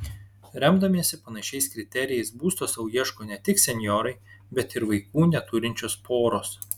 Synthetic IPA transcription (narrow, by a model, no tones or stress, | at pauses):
ɾʲɛmd̪ɐmʲiːsʲɪpɐnɐʃʲɛɪskɾʲɪt̪ʲɛɾʲɪjɛɪsbuːst̪oːsɐʊjiɛʃkoːnʲɛt̪ʲɪksʲɛnʲjɔɾɐɪbʲɛt̪ɪɾʋɐɪkuːnʲɛt̪ʊɾʲɪnʲt͡ʃʲoːspʰoːɾoːs